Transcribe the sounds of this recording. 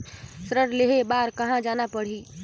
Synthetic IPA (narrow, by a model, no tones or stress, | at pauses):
sɾəɾleɦebaːɾkɐɦãd͡ʒaːnapəɽ̤iː